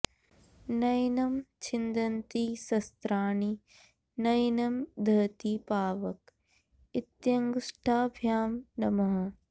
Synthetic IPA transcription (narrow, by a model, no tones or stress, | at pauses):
nɐjnɐmt͡ʃʰɪnd̪ɐnt̪isɐst̪ɾaːni | nɐjnɐmd̪ʱɐt̪ipaːʋɐk | ɪt̪jɐŋɡʂʈʰaːbʱjaːmnɐmɐɦɐ